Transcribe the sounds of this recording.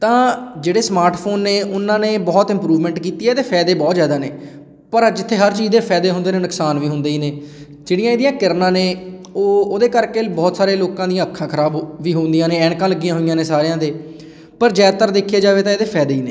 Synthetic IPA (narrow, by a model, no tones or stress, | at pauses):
t̪ãːd͡ʒeːɽeːsmaːɾʈpʰoːnːeːʔʊnːãːneːbɔːt̪ɪ̃mpɾuːʋmɛ̃ːɳʈkiːt̪iːɛːeːd̪eːpʰɛːd̪eːbɔːt̪zjaːd̪aːneː | pəɾd͡ʒɪt̪ʰːeːɦəɾt͡ʃiːzd̪eːpʰɛːd̪eːɦʊ̃nd̪eːneːnʊksaːnʋiːɦʊnd̪eːiːneː | d͡ʒeːɽɪjãːeːd̪ijãːkɪɾnãːneːoːoːd̪eːkəɾkeːbɔːt̪saːɾeːloːkãːd̪ijãːəkʰːãːkʰəɾaːbʋiːɦoːnd̪ijãːnẽːɛ̃ːɳkãːləɡijãːɦʊɪjãːneːsaːɾejãːd̪eː | pəɾd͡ʒɛːt̪əɾd̪eːkʰjeːd͡ʒaːʋeːt̪ãeːd̪eːpʰɛːd̪eːiːneː